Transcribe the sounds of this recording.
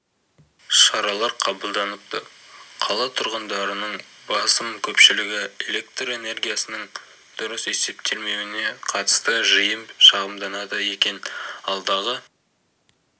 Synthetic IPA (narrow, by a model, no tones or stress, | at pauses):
ʃɑɾɑlˠɑɾqʰɑbəlˠd̪ɑnəp̚t̪əqʰɑlˠɑt̪ʰʊɾʁənd̪ɑɾənəɴbɑsəmkʲʰɵpʃɪlɪɡʲɪe̞le̞k̚t̪re̞ne̞ɾɡʲijasənəɴ | d̪̥ʊɾəse̞se̞p̚t̪ʰe̞lme̞wɪne̞qʰɑt̪ə̥st̪əʒəjəmʃɑʁəmd̪ɑnɑd̪əje̞kʲe̞nɑlˠd̪ɑʁə